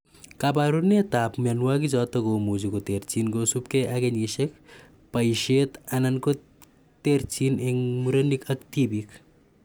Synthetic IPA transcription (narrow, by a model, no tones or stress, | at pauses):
kabaɾunet̪aːpmanwakid͡ʒɔt̪ɐkomud͡ʒukot̪eɾt͡ʃinkosupkeʔaɡeɲiʃek̚ | pɐjʃet̪ɐnɐnko | t̪eɾt͡ʃineŋmuɾɐnikɐkt̪ibik